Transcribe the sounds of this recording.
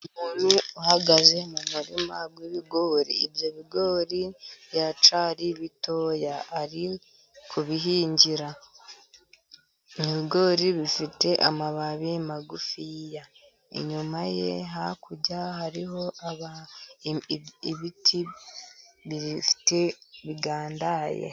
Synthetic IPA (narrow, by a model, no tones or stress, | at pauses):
umuːn̥uuhaɡaze̞mumuɾḭmaɡwiβiɡo̞ːɾḭːbjo̞βiɡo̞ːɾijat͡ʃaɾiβito̞ːjaaɾi | kʰuβiɦiːɲɟiɾa | niβiɡo̞ːɾiβifite̞ʔa̰maβaβemaɡufija | ḛɲumaje̞̰ɦakuɟahaɾiɦo̞ʔaβa | βitʰi | βiɾifi̥te̞βiɡaːndaːjḛ